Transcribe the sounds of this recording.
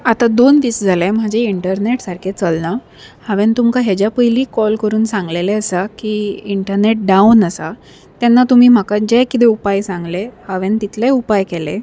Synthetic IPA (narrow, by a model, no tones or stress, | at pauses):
at̪ad̪ont̪iːt͡sd͡zʱalɛ̃m̤əd͡ʑeiɳʈəɾneʈsaɾkʰet͡səlna | haʋẽnt̪umkaɦed͡ʑjapəjliːkɔlkəɾuːnsãŋɡleleəsakiːiɳʈəɾneʈ̚ɖaunəsa | t̪jɛnːat̪um̤iːm̤akad͡ʑɛkit̪̬eupajsãŋɡlehaʋent̪it̪lɛupajkɛle